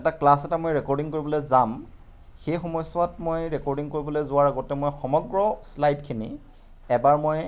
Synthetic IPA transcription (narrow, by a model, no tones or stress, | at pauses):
ɛtaklasɛtamojɹɛkɔɹdiŋkoɹibɔlozam | xejxɔmɔjsɔatmojɹɛkɔɹdiŋkoɹibɔlojzʊwaɹaɡɔtɛmojxɔmɔɡɹɔslajdkʰinḭ | ɛbaɹmoj